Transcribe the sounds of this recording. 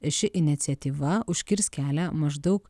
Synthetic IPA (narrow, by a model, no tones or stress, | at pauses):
ɪʃʲɪʔɪnʲɪt̪sʲɛt̪ʲiːʋɐʊʃʲkʲɪɾʲskʲæːlʲæːmɐʒd̪ɐɒʊk